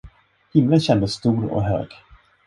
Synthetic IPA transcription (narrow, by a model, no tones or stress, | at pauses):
hɪmlənɕɛnd̪əsːt̪uːɾɔ̰ɦø̰ːɡ̥